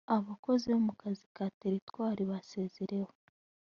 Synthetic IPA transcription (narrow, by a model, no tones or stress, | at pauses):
aβako̞ziβomukazikaːte̞ɾitwaːɾiβase̞ːzeɾe̞ho